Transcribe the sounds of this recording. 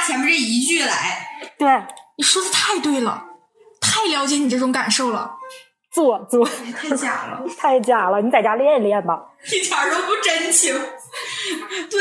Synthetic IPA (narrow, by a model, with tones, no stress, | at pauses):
t͡ɕʰjɛ˧˥m˧˥ɻ̩˥˩i˧˥t͡ɕy˥˩la˧˥ɪt̪we˥˩ɪni˨˩ʂwɔ˥t͡s̩˧t̪ʰa˥˧ɪt̪we˥˩ɪlə̰˩ | t̪ʰa˥˩ɪljɑ˧˥ʊt͡ɕjɛ˧˥ni˨˩ʈ͡ʂɤ˥˩ʈ͡ʂʊ˧˥ŋka˨˩nʂo˥˩ʊlə̰˩ | t͡swɔ˥˧t͡swɔ˥˩˧tʰa˥˩t͡ɕja̰˨˩lə̰˧t̪ʰa˥˧ɪt͡ɕja˨˩lə˦ni˧˥t͡sa˥˩ɪt͡ɕja˥ljɛ˥˧nljɛ˥˩nbɐ˨˩i˥˩t͡ɕʰɑ˨˩ɻo˧˥ʊpu˥˩ʈ͡ʂə˥nt͡ɕʰi˧˥ŋ | t̪we˥˩